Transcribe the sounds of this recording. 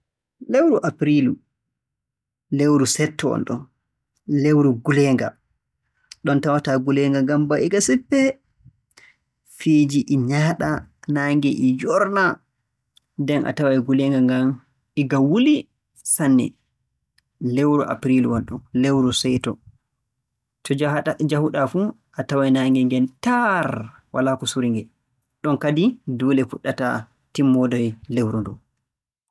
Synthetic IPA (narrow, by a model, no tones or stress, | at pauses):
lewɾuʔapɾilu | lewɾusɛtʰːɔɔ̰nɗɔ̰n | lewɾuɡulɛːŋɡa̰ | ɗɔntawataɡulɛŋɡaŋɡambaʔiɡasipːɛ | fiːd͡ʒiʔiɲaːɗanaːŋɡɛʔid͡ʒɔɾna | dɛnʔa̰tawaɡulɛŋɡaŋɡam | iɡawuli | sanːɛ̰ | lɛwɾɔʔa̰pɾilwalɗunlɛwɾɔsɛjtɔ | tɔad͡ʒahuɗafu | ʔatawajnaŋɡɛŋɡɛntaɾ | wʔa̰lakɔsuɾiŋɡɛ | ɗɔnkadidulɛfuɗːata̰ | timːɔdɔjlɛwɾɔndɔ̰